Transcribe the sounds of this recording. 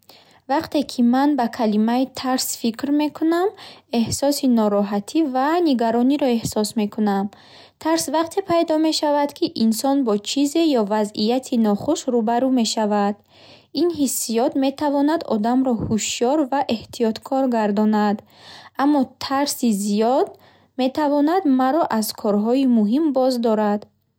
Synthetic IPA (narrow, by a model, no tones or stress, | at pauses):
vaqt̪e̞kʰimanbakʰalimait̪ʰaɾsfikɾme̞kʰuname̞hsɔsinɔɾɔɦat̪ʰivaniɡaɾɔniɾɔe̞hsɔsme̞kʰunam | t̪ʰaɾsvaqt̪ʰe̞pʰajd̪ɔme̞ʃavad̪kʰiʔinsɔnbɔt͡ʃʰize̞jɔvazijat̪ʰinɔχuʃɾubaɾume̞ʃavad̪̥ | inɦisːijɔd̪me̞t̪ʰavɔnad̪ɔ̰d̪amɾɔhuʃjɔɾvaʔe̞ht̪ʰijɔt̪kʰɔɾɡaɾd̪ɔnad̪ | amːɔt̪ʰaɾsizijɔd̪ | me̞t̪ʰavɔnad̪maɾɔʔazkʰɔɾɦɔimuɦimbɔzd̪ɔɾad̪̥